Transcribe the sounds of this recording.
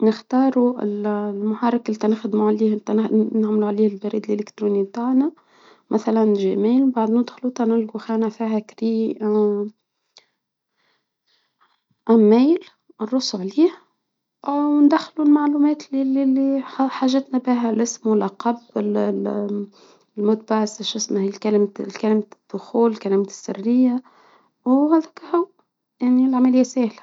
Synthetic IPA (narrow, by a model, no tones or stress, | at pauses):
nɪxt̪ɑːɾˤuɪ̰llmʊħɑɾˤɑklit̪ænɪxd̪muʕaliːhnt̪naʕmluʕliːhɪlbæɾiːd̪əlʔelɪkt̪ɾuːnib̚t̪aːʕna | mæθalænʒæmiːlbaʕd̪nɪd̪xlut̪ænɪlɡuxæːnæfiːhækɾiː | ʔæmːæjl | rˤːʊsʕliːh | wnd̪æxːlulmaʕluːmɛːt̪lililiħaːʒɪt̪nabɪːɦælʔɪsmwɪlʔaqɑbɪl | lmʊt̪̚baʕsɪʃʔɪsmahiːlkælmkælɪmad̪̥ːʊxuːlkælɪmæsːɪ̰rːɪjːa | whæːd̪ækhʊw | jaʕnilʕamælɪjːasæːhlḁ